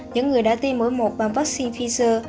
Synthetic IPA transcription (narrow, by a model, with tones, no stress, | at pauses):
ɲɨ̰˧˥ŋːɨ˨˩əjɗa̰ː˧˥t̪i˧mməː˨˦jmo˨˩t̚ɓaː˨˩nvaː˦˥k̚si˧nfi˧zəː˧